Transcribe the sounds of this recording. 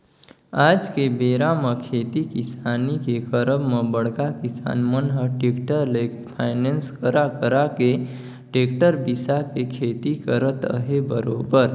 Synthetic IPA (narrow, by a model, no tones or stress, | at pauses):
aːd͡ʒkebeːɾaməkʰeːt̪ikisaːnikekəɾəbməbəɽkakisa̰ːnmənɦəʈekʈəɾlekepʰaːɪnenskəɾakəɾake | ʈeːk̚ʈəɾbisakekʰeːt̪ikəɾət̪ə̰ɦebəɾoːbəɾ